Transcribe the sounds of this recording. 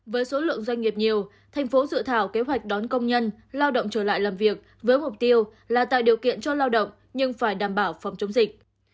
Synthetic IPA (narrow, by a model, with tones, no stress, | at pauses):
vəː˨˦jso˨˦lɨ̰˧˨əŋzwa˧jŋ̟ŋi˨˩əp̚ɲi˨˩əw | t̪ʰɛ˨˩jŋ̟fo˨˦zɨ̰˧˨t̪ʰaː˧˩wke˨˦ɦwa˨˩jk̚ɗɔ˨˦nkə˧wŋ͡mɲə˧n | laː˧wɗə̰˧˨wŋ͡mt͡ɕəː˧˩la̰ː˧˨jlaː˨˩mvi˨˩ək̚ | vəː˨˦jmʊ˨˩k͡p̚t̪i˧əw | laː˨˩t̪a̰ː˧˨jɗi˨˩əwkḭ˧˨ənt͡ɕɔ˧laː˧wɗə̰˧˨wŋ͡m | ɲɨ˧ŋfaː˧˩jɗaː˧˩mɓaː˧˩wfɔ˨˩wŋ͡mt͡ɕə˨˦ŋ͡mzï˨˩k̟̚